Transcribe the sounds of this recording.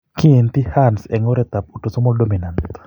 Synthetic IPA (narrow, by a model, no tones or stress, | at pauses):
kient̪ihansɛŋɔɾɛt̪ap̚utosɔmɔldominant